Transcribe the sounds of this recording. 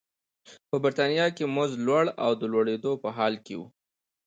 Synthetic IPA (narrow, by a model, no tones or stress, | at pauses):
pəbɪɾt̪ɑnijɑkemʊzlwaɽa̰wd̪əlwaɽed̪opəɦɑlkḛwṵ